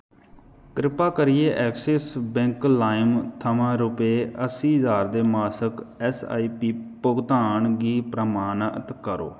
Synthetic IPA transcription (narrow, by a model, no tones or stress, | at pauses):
kɾɪpaːkəɾɪjeːʔɛːksɛːsbɛ̃ŋklaːɪmt̪ʰəmãːɾʊpeːəsiːzaːɾd̪eːmaːsəkɛːsa̰ːiːpiːpʊɡt̪aːɳɡiːpɾəmaːnət̪kəɾo̰ː